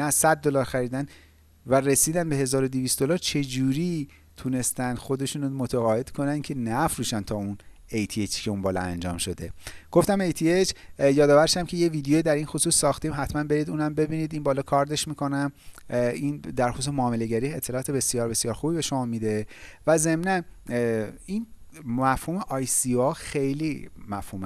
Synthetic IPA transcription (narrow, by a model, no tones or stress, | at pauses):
næsæd̪̚ːo̞lɒːɾxæɾiːd̪æn | være̞siːd̪ænbe̞ɦe̞zɒːɾod̪ivist̪d̪o̞lɒːɾt͡ʃʰe̞d͡ʒuːɾi | t̪ʰune̞st̪ænd̪̥xo̞d̪e̞ʃuːnomot̪ʰæɣɒːje̞d̪̥kʰo̞næncʰe̞næfɾuːʃænt̪ʰɒːun | ejt̪ʰiet͡ʃʰcʰeunbɒːlɒ̰æ̰nd͡ʒɒ̰ːmʃo̞d̪e̞ɡ̥oft̪æme̞jt̪ʰiet͡ʃʰjɒːd̪ɒːvæɾʃæmcʰe̞jeviːd̪ejojid̪æɾinxosuːsːɒːxt̪iːmɦæt̪mænbe̞ɾiːd̪uːnæmbe̞biːniːd̪inbɒːlɒːkʰɒɾd̪e̞ʃmiːkʰo̞næm | ind̪æɾxos̬usmoːmeleɟæɾiːe̞t̪ʰːe̞lɒːt̪ʰe̞be̞sijɒːɾbe̞sijɒːɾxuːbiːbe̞ʃo̞mɒːmid̪e̞væze̞mnæn | in | mæfhuːmeʔɒːjsioxe̞jlimæfhuːm